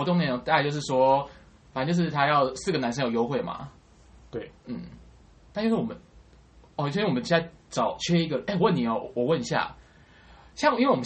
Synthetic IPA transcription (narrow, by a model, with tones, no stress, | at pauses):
t̪ʊ˧ŋ˥˧˨t̪a˥˧˩t͡ɕjo˥˧ʊʂ̬ɻ̩˥˩ʂwɔ˥ | fa˨˦nt͡ɕo˥˧ʊʂ̬ɻ̩˥˩t̪ʰa˥jɑ˥˨ʊsɹ̩˥˨ɡə˩na˧˥nʂə˥jjo˧˥ʊxwe˥˩ma̰˨˩ | t̪we˥˩ɪn̩˥˩ | na˥˧t͡ɕjʂwɔ˨˩ə˦n | ɔ˨˧˩t͡ɕo˥˧swə˦t͡ɕa˥˧t͡sɑ˨˩ʊt͡ɕʰɛ˥i˥ɡə˨ʔe˥˩ɪwə˥˨ni˨˩ɔ˨˦˨wɔ˨˩wə˥˨ni˧˦ɕja̰˥˩ | ɕjɑ˥˧ŋi˥nwe˥˩˨wɔ˨m˨˦